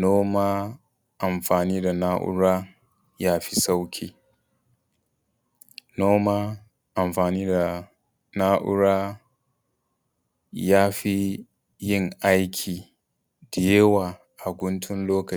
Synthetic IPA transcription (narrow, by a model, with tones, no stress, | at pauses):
noː˦maː˦ | ʔa˨mɸaː˨niː˦da˨naː˦ʔʊ̰˦ɽaː˦ | jaː˦ɸi˦sa˦wkʲʰiː˦ | noː˦maː˦ | ʔa˨mɸaː˨niː˦da˨ | naː˦ʔʊ̰˦ɾaː˦ | jaː˦ɸi˦ | jɪ˦˨ŋʔa˦jkʲʰiː˨ | dɪ˨je˦waː˨ | ʔa˨ɡʷʊ˦ntʰʊ˦nloː˦kɐ˨